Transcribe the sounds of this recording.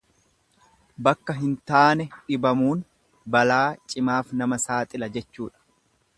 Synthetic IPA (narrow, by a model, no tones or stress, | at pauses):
bɐkːɐɦɪnt̪aːnɛᶑɪbɐmuːn | bɐlaːt͡ʃʼɪmaːfnɐmɐsaːt̪ʼɪlɐd͡ʒɛt͡ʃːuːᶑɐ̥